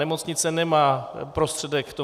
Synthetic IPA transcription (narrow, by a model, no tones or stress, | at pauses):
ɛmo̞t͡sɲɪt̪t͡sɛnɛmaːpɾost̪r̥ɛdɛkt̪o